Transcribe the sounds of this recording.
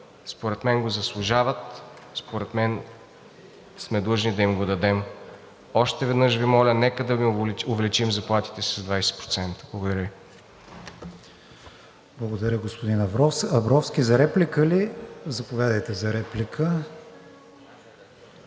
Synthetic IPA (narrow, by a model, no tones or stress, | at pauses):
spoɾɛt̪mɛnɡozɐslˠʊʒavət̪ | spoɾɛt̪mɛn | smɛd̪lˠɤʒnid̪ɐimɡod̪ɐd̪ɛm | ɔʃt̪ɛvɛd̪nɤʃvimɔlʲənɛkəd̪ɐmiʊvɛlit͡ʃimzɐplˠat̪i̥t̪ɛsɐzd̪vajsɛ̥pɾot̪sɛnt̪əblˠɐɡoʊd̪ɐɾʲjəvi | blˠɐɡod̪ɐɾʲəɡospʊd̪inɐvɾɔɐvɾɔfsk̟ʲizɐɾɛplikəlizɐpovʲjad̪əjt̪ɛzɐɾɛplikʰə